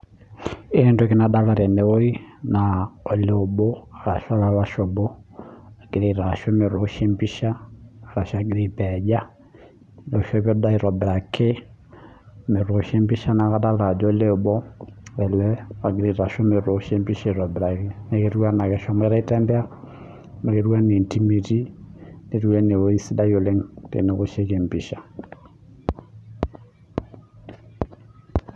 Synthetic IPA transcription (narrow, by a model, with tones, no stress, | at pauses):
endoke˦nada˦la˨ɾɛ˨ne˨o˦i˦na˨o˨le˦o˨bo˦a˨ɾa˨ʃa˦la˦βa˦ʃo˨bo˦a˨ɡ̥e˨ɾe˨ɾa˨ʃo˦me˨ɾo˨ʃe˦mbi˦ʃaː˦˨ɾa˨ʃa˦ɡe˦ɾi˨pɛd͡ʒa˦ | no˨ʃɔ˦βɔ˦da˦i˨ɾɔ˨bɾa˨kʰe˦ | me˨ɾo˨ʃe˦mbi˦ʃa˦na˨ɣa˦da˦la˨d͡ʒɔo˦le˦o˨bɔ˦ɛ˨lɛ˦a˨ɡɪ˨ɾi˨ɾa˨ʃo˦me˨ɾo˨ʃe˦mbi˦ʃe˦˨ɾɔ˨bɾa˨kɪ˦ne˨ke˦ɾu˦wa˦na˨kɛ˨ʃɔ˦ma˦ɾa˦i˦tɛ˦mbɛ˦a˦ | me˨ke˦ɾu˦a˦ne˨nti˦mi˨ti˦ne˨ɾu˦ɛ˦ne˨o˦i˦si˦da˦jo˨le˦ŋtḛ˨ne˨ko˦ʃe˦ke˨mbi˨ʃa˨